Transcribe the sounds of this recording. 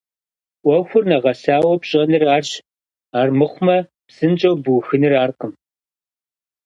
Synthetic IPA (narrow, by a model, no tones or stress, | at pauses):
ʔʷɔxʷʊrnɐʁɐsaːwɔpɕʼɐnɨraːrɕ | aːrmɨχʷmɐ | psɨnt͡ʃʼɐwbuwxɨnɨraːrqəm